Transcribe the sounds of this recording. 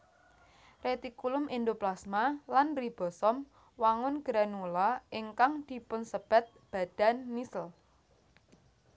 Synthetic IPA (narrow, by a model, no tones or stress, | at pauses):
ret̪ikulʊmʔind̪oplasmalanrib̥ɔ̤sɔm | waŋʊnɡ̥ɾanulaʔɪŋkaŋd̪̥i̤pʊnsəb̥a̤t̪̚b̥a̤d̪̥a̤nːisəl